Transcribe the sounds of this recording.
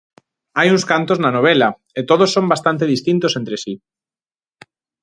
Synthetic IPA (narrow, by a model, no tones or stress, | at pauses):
ajuŋskant̪oznanoβ̞ela | et̪oðosːombast̪ant̪eðist̪int̪osent̪ɾesi